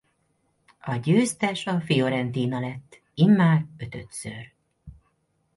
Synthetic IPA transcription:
ɒɟøːst̪ɛʃɒfijoɾɛnt̪iːnɒlɛt̪ː | imːaːrø̞t̪ø̞̰t̪sør

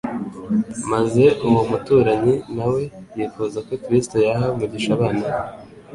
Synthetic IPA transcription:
maze̞uwomutuːɾaɲinawe̞jifuzako̞kɾisto̞jaɦamuɟiʃaβaːnaβ

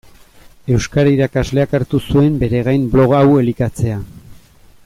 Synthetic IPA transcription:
e̞wskaɾaiɾakazle̞akaɾt̪usue̞mbe̞ɾe̞ɣajmblo̞ɣawe̞likat͡se̞a

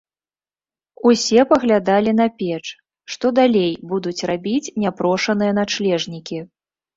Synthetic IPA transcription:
usʲɛpɐɣlʲad̪alʲin̪ɐpʲɛt͡ʂ | ʂt̪ɔd̪alʲejbud̪ut͡sʲrabʲit͡sʲnʲapɾɔʂɐnɨjɐnat͡ʂlʲɛʐnʲikʲi

